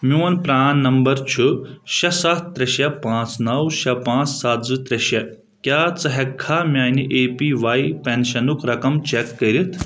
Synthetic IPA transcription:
mʲuwɐnpɾaːnːɐmbɐɾt͡ʃʰɨʃɐsɐt̪t̪ɾɐʃɐpãːt͡snɐwʃɐpãːt͡ssat̪d͡zɨt̪ɾɐʃɐ | kʲjaːt͡sɐɦɛkʰːaːmʲjaːniʔeːpiːʋaːipʲenʃɐnukɾɐkɐmt͡ʃekːɐɾʲit̪ʰ

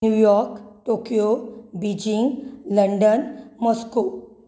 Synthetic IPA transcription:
jujɔːɾkʈoːkijobiːd͡ʒɪ̃ŋɡlɐəɳɖənmɔskoː

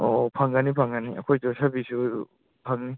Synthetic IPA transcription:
opʰaŋɡanipʰaŋɡania̰kʰɔjtɔsabisu | pʰaŋni

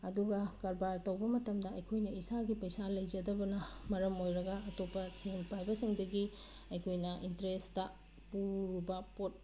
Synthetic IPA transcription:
ɐduɡɐkɐɾbaɾtɐwbɐmɐtɐmdɐɐjkʰojnɐisaɡipɐjsalɐjd͡ʒɐdɐbɐnɐmɐɾɐmojɾɐɡɐɐtopːɐsempʰajbɐsiŋdɐɡi | ɐjkʰojnɐintɾestɐ | puɾubɐpot̚

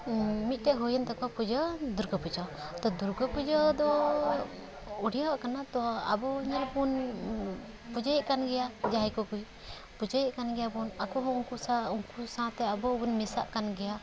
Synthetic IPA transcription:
mit̪̚ˀt̪ɛɦujənt̪ɛkɔapud͡ʒəd̪uɾɡəpud͡ʒat̪ɔd̪uɾɡəpud͡ʒəd̪ɔ | uɽijawaʔkanat̪ɔa̰bɔiɲalpun | pud͡ʒəjɛʔkanɡɛjad͡ʒaɦɛjkɔkuj | pud͡ʒəjəʔkanɡɛjabɔnakɔɦɔ̃ʔuŋkusauŋkusãt̪ɛabɔbunmɛsa̰ʔkanɡɛja

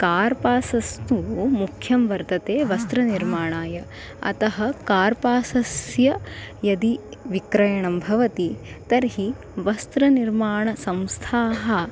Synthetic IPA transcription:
kaːɾpaːsɐst̪umukʰjɐmʋɐɾt̪ɐt̪eːʋɐst̪ɾɐniɾmaːɳaːjɐ | ɐ̰t̪ɐɦɐkaːɾpaːsɐsjɐjɐd̪iʋikɾɐjɐɳɐmbʱɐʋɐt̪i | t̪ɐɾɦi | ʋɐst̪ɾɐniɾmaːɳɐsɐ̃mst̪ʰaːɦɐ̆

